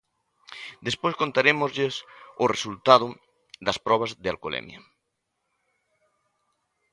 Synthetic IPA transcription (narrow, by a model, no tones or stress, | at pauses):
d̪espojskont̪aɾemozʎesʊresult̪að̞ʊ | ðɐspɾɔβ̞ɐzðea̰lkolḛmj̰ɐ̰